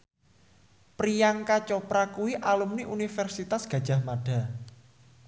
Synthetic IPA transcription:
pɾijaŋkat͡ʃɔpɾakuwiʔalumniʔunifɛrsit̪asɡ̥a̤d̥d͡ʒʒ̥a̤hmaɖ̥a̤

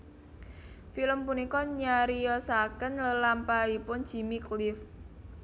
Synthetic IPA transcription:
filəmpunikɔɲaɾijɔsakənləlampaipʊn̥ʒ̥i̤miklif

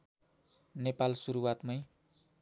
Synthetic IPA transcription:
nepalsuɾuwat̪mʌj

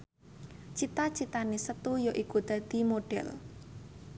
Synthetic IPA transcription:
t͡ʃit̪at͡ʃit̪anisət̪ujoʔikud̪̥ä̤d̪̥i̤moɖ̥ɛ̰l

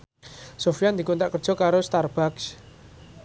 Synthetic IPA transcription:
sofijand̪i̤kunt̪aʔkərd̥ʒ̥ɔ̤kaɾost̪arb̥aks

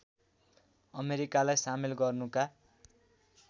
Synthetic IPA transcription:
ʌmeɾikalajsamilɡʌrnuka

